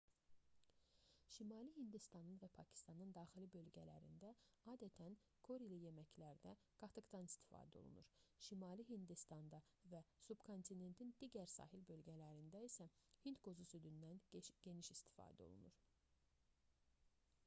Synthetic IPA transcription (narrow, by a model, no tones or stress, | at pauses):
ʃimɑːlihind̪ist̪ɑnɯnvæpʰɑcʰi̥st̪ɑnɯnd̪ɑːxilibø̞lɟælæ̰ɾḭnd̪æɑːd̪æt̪ʰæn | kʰo̞ɾilije̞mæcʰlæɾd̪æ | ɡ̥ɑt̪ʰɯɡd̪ɑnist̪ʰi̥fɑ̰ːd̪æo̞̰lˠṵnuɾʃimɑːliɦind̪ist̪ɑnd̪ɑ | væsubkʰo̞nt̪ʰine̞nt̪ʰind̪iɟæɾsɑ̰ːɦilbø̞lɟælæɾind̪æisæhint̪ɡo̞zusyd̪ynd̪ænɟ̥e̞niʃist̪i̥fɑ̰ːd̪æo̞̰lˠṵnuɾ